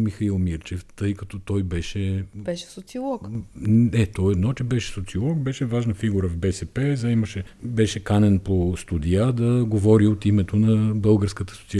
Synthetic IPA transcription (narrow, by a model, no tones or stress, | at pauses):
mixɐilˠmiɾt͡ʃɛft̪ɤjkɐt̪ɔt̪ɔjbɛʃɛbɛʃɛ̥sot̪siolˠɔk̪ | ɛt̪ɔːd̪nɔt͡ʃɛbɛʃɛ̥sot̪siolˠɔk̚bɛʃɛvaʒnəfiɡuɾəvbɛsɛpɛzɐiməʃɛbɛʃɛkanɛnpost̪ud̪ijad̪ɐɡovɔɾiot̪imɛt̪onɐbɤlˠɡəɾskət̪ə̥sot̪si